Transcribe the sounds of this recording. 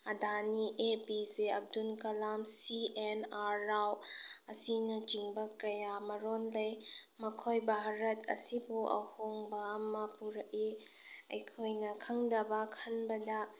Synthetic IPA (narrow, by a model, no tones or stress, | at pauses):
ɐdaniʔepizeɐb̚dunkɐlamsienaɾawɐsinɐt͡ʃiŋbɐkɐjamɐɾonlɐjmɐkʰojbʱaɾɐtɐ̰sibuʔɐ̰hoŋbɐːmɐpuɾɐk̚i | ɐ̰jkʰojnɐkʰɐŋdɐbɐkʰɐnbɐdɐ